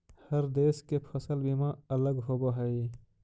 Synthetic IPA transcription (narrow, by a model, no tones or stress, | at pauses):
hɐɾd̪eːskepʰɐsəlbimãɐləɡɦoboɦɐi